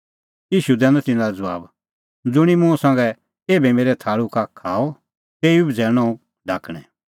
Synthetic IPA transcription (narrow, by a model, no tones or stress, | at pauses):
iːʃud̪ɛ̃ːnãt̪ɪ̃naɾd͡zɐʋa̰ːb | d͡zʊɽ̃imũsãŋɡɛ | eːbɛmeːɾɛt̪ʰaːɭukakʰaːɔ | t̪eːiubd͡zʱɛːñɔ̃ũ | ɖʱaːkɽ̃ɛ̃